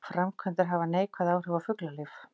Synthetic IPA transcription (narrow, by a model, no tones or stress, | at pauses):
fɾamkʰvɛnt̪ɪɾ̥ɦavaneːjkʰvaðaːwr̥œwafʏklalɪf